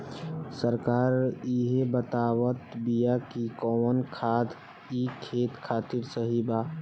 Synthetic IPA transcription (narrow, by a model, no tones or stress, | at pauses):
səɾkaːɾiɦebət̪aːwət̪bijakikɔːwənkʰaːd̪ | ikʰːeːt̪kʰaːt̪iɾsəɦibaː